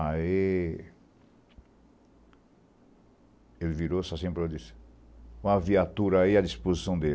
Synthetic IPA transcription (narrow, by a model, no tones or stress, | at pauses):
ai | elɪviɾosɔsẽpɾed͡ʒisɪ̥ | ũɐviat̪uɾɐaiɐd͡ʒispozisɐ̃w̃d̪e